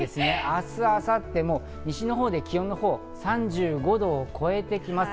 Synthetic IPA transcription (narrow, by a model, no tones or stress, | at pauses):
esɨne̞asɨasat̪ːe̞mo̞ | ɲ̟iɕino̞ɦo̞ːd̪e̞kʲijõ̞nːo̞ho̞ː | sãɲ̟d͡ʑɨːɡo̞d̪o̞ːkʰo̞e̞t̪e̞kʲimasɨ̥